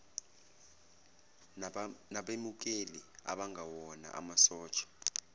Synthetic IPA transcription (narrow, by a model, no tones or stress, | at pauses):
naɓemuk̬elia̰ɓaŋʱawɔna̰ʔa̰masɔːt͡ʃʰʼɔ̥